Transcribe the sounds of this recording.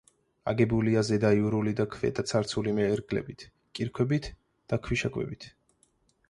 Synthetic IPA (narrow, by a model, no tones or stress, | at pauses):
a̰ɡɛbuliazɛd̪aiuɾulid̪akʰvɛ̰t̪ʼat̪sʰaɾt̪sʰulimɛːɾɡlɛ̰bit̪ʰ | kʼiɾkʰwɛbit̪ʰ | d̪̥akʰwiʃakʼwɛ̰bit̪ʰ